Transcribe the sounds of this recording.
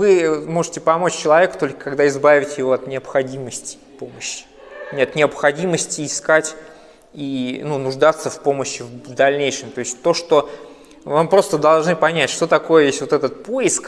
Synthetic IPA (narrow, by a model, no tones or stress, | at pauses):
vɨmo̞ʐɨ̥tʲɪpɐmo̞t͡ɕt͡ɕːɪlˠɐvʲe̞kʊ̥t̪o̞lʲkə̥kɐɡd̪aɪzbavʲɪtʲjɪvo̞ɐt̪nʲɪəpxɐdʲiməsʲtʲɪ̥ | po̞məɕːɪ̥ | nʲɪɐt̪nʲɪəpxɐdʲiməsʲtʲɪːskatʲ | inunʊʐd̪at̪səfpo̞məɕːɪvvd̪ɐlʲnʲejʂɨmt̪o̞ɪsʲtʲt̪o̞ʂt̪o̞ | vampɾo̞st̪əd̪ɐlˠʐnɨpɐnʲætʲʂt̪o̞t̪ɐko̞jəvʲesʲvo̞t̪ɛt̪ət̪̚poɪsk